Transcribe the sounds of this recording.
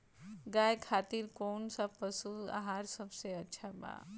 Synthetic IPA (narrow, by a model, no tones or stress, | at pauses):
ɡaːjkʰaːt̪iɾkoːnsapəsua̰ɦaːɾsɐbseɐtːʃʰaba̰ː